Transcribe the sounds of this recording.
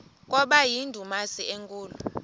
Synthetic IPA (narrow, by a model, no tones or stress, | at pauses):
k̬ʼɔɓajindʱumasieŋkʼuːlu